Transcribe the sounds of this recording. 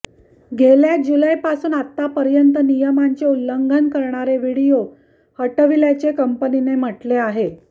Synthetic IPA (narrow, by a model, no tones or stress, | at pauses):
ɡʱeljad͡ʑulajpasuːnat̪ːapəɾjənt̪ənijəmaɲt͡ɕeulːəŋɡʱənkəɾɳ̃aɾeʋiɽijo | həʈəʋiljat͡ɕekəmpəninem̤əʈleaɦe